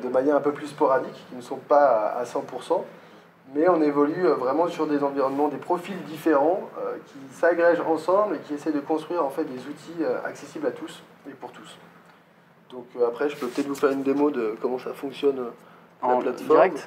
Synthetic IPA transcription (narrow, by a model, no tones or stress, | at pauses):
d̪əmanjɛʁɛ̃pøplyspɔʁad̪ikːʲinəsɔ̃paa̰sɑ̃puʁsɑ̃ | mɛɔ̃nevɔlyøvʁɛmɑ̃syʁd̪ezɑ̃viʁɔnmɑ̃d̪epχɔfild̪ifeʁɑ̃økʲisaɡʁɛʒɑ̰̃sɑ̃blekʲiesɛjd̪əkɔ̃st̪χɥiʁɑ̃fɛt̪̚d̪ezut̪ʰiøa̰ksesiblat̪ʰus | epuʁt̪u̥s | d̪̥ɔ̃køapχɛʒəpøpət̪ɛt̪vufɛʁynd̪emod̪əkɔmɑ̃safɔ̃ksjɔnø | laplat̪fɔɛkm